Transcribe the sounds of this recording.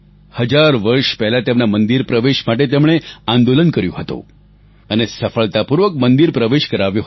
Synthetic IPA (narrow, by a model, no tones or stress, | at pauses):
həd͡ʒaɾʋəɾʃpɛɦlat̪emnamənd̪iɾpɾəʋeʃmaʈ̬et̪emɭ̃eãnd̪olənkəɾjõɦət̪õ̰ | ənesəfəɭt̪apuɾʋək̚mənd̪iɾpɾəʋeʃkəɾaʋjõ